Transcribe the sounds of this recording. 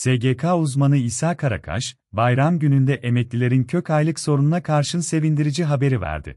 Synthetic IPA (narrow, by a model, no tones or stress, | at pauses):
seɟekʰaːuzmanɯisaːkʰaɾa̰kʰa̰ʃ | bajɾamɟynynd̪ɛʔe̞mɛclʲilʲe̞ɾincʰø̞cajlˠɯkso̞ɾununakʰaɾʃɯnse̞vind̪iɾid͡ʒiɦabe̞ɾivæ̰ɾd̪ɪ̰